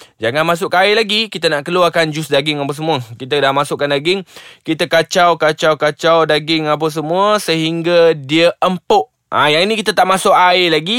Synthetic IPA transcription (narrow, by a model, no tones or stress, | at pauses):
d͡ʒaŋanmãs̬ʊʔkaaɪlaɡikit̪anaʔkəluarkand͡ʒʊsdaɡɪŋapas̬əmũəkit̪adahmãsʊʔkːandaɡɪŋkit̪akat͡ʃawkat͡ʃawkat͡ʃawdaɡɪŋap̬aws̬əmũəsəɦiŋɡadiəəmpʊʔ | a̰jaŋinĩkit̪at̪aʔmasʊʔaɪlaɡi